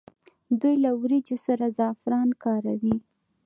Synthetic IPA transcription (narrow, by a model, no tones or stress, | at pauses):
d̪ujlawɾid͡ʒosaɾazɑfɾɑnkɑɾawi